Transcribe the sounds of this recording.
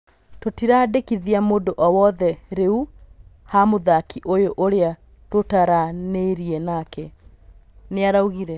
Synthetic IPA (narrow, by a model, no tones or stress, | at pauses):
totiɾaːdekiðiamoːdoʔɔwɔðɛɾeuhamoðakiʔojoʔoɾea | totaɾaneiɾiɛnakɛ | neaɾauɣiɾɛ